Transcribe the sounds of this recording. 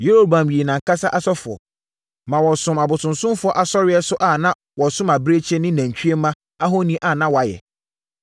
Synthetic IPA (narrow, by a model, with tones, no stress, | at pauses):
je˦ɾo˦bã˨mɥi˨e˨nã˨ŋ̩˨kʰa˦sa˦ʔa˦sɔ˦fʊ˨ɔ̰˨ | mã˨wɔ˨sʊ̃˨ma˨bʊ˨tʰʊ̃˨nsʊ̃˦mfʊ˨˦ɔ˦ʔa˨sɔ˦ɾɪ˦ɛ˦sʊ˦ʔa˦˨nã˦ | wɔ˨sʊ̃˦ma˨bɾe˦t͡ɕʰɛ˦nɪ̃˦næ̃˨ɲ˨t͡ɕʰᶣɥe˦mã˦ | a˦ɦo˦nĩ˦ʔa˨nã˦wɔ˨a˨jɛ̰˨